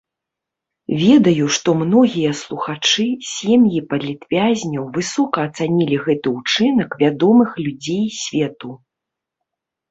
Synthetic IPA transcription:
vʲɛd̪ɐjuʂt̪ɔmnɔɣʲijɐslˠuxat͡ʂɨsʲemjipɐlʲit̪vʲazʲnʲɐwvɨsɔkɐːt̪sanʲilʲiɣɛt̪ɨut͡ʂɨnɐkvʲad̪ɔmɨxlʲud͡zʲejsʲvʲɛt̪u

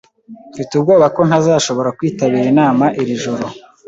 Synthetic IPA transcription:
fitub̚ɡoːβako̞nhazaːʃo̞βo̞ɾakwiːtaβiɾinaːmaʔiɾiʒo̞ɾo̞

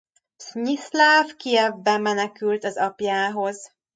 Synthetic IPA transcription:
sɲislaːvkiɛbːɛmːɛnɛkylt̪ɒzɒpjaːɦo̞z

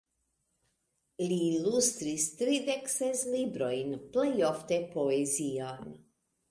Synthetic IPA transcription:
liːlust̪ɾist̪ɾid̪eksezlibɾojnplejoft̪epoezian

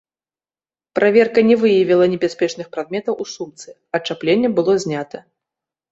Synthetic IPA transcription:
pɾʔavʲɛrkɐnʲɛvɨjɐvʲilˠɐnʲɛbʲasʲpʲɛt͡ʂnɨxpɾad̪̚mʲɛt̪ɐwusumt̪sɨ | ɐt͡ʂaplʲenʲːɛbɨlˠɔzʲnʲat̪ɐ

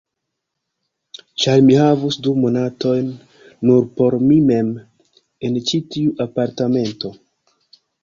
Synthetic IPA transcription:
t͡ʃajmihavusdumo̞nato̞jnː | uɾpo̞ɾmime̞m | e̞nt͡ʃitiuʔapaɾtame̞nto̞

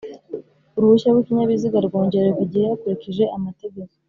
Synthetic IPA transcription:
uɾuβuʃaɡwikiɲaβiziɡaɾɡo̞ːɲɟe̞ɾekuɟihejakuɾikiʒe̞ʔamate̞ɟe̞ko

